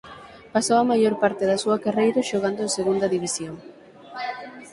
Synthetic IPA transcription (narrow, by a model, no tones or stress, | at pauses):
pasowɐmaʎoɾpaɾt̪eðɐsuɐkarejɾʊʃoɣand̪oẽŋseɣund̪ɐðiβisjoŋ